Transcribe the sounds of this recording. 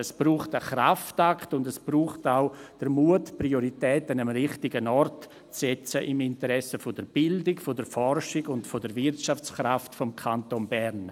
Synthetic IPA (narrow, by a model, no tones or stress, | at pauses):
ɛsb̥ruːχtəχra̰ftaktʊndɛsb̥ruːχtaʊd̥əɾmuətprioɾitɛːtanəmɾɪχtɪɡənɔrt | t͡sɛt͡səʔɪmɪntəɾɛsəfɔd̥əɾb̥ɪldɪɡfɔdəɾfɔrʃɪɡʊntfɔdəɾvɪrtʃaft͡skraftfɔmkʰantonbɛɾn